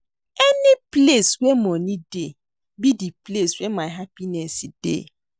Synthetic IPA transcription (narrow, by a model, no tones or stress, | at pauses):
ɛnɪpleswemɔnide | bidipleswemaɪɦapinɛsid̥ḛ